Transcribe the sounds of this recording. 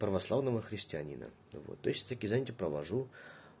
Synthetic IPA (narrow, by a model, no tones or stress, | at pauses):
pɾəvɐslˠavnəvəxɾʲɪsʲtʲɪɐnʲḭnə̰ | vo̰t̪ːojsʲt̪akʲizanʲɪtʲɪpɾəvɐʐu